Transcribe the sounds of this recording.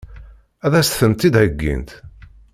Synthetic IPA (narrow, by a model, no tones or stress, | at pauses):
æðæst̪θəmt̪id̪ʕəɡːḭnt̪